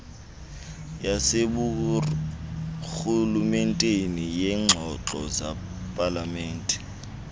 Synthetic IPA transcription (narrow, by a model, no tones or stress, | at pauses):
jaseɓu | xulumɛntʼenijɛŋ͡ǁʱɔǁɔza̰ | pʼalamɛːntʼɛ